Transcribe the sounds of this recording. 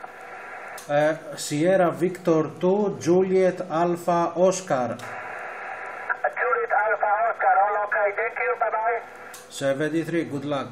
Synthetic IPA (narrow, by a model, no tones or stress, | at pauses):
sijeɾaʋɪkt̪oɾt̪ud͡ʒuːlijet̪ʰaːlfaʔoːskaːɾ | d͡ʒuːliet̪ʰaːlfaoːskaːɾalaːkaːid̪eːkiũːpɐd̪aːe | seʋed̪it̪ʰɾiɡʊd̪laː